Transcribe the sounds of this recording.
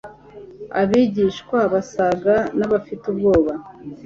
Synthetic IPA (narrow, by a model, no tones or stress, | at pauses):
a̰βiːɟiʃkwaβasaɡanaβafitubɡo̞ːβa